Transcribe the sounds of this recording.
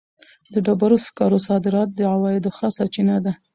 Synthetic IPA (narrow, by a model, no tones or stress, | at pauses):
d̪əɖabaɾoskɑɾosɑd̪ɪɾɑt̪̚d̪əʕawɑɪd̪oxasaɾt͡ʃinad̪a